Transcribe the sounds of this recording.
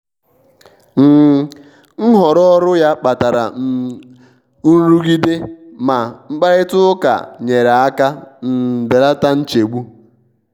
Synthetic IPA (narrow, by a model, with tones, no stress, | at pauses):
m̩˨ | ŋ̩˦ɦɔ˨ɾɔ˦ɔ˦ɾʊ˦ja˦k͡pa˨ta˨ɾa̰˨˦ | u˦ɾu˦ɡi˦de˦ma˨ŋ͡m̩˦k͡pa˦ɾɪ˦tʊ˦ka̰˨ɲe˨ɾa˨a˦ka˦n̩˨be˨la˦ta˦n̩˦t͡ʃe˨ɡ͡bu˦